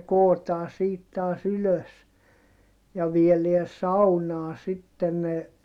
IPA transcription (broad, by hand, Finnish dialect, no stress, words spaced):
koːtɑː siːt tɑːs yløs jɑ ʋieleæ sɑunɑː sitːen ne